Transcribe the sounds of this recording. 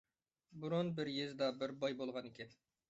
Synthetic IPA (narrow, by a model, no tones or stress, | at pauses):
buɾonbɪɾjezd̪ɑbɪɾbɑjbolˠʁɑnekʲɛn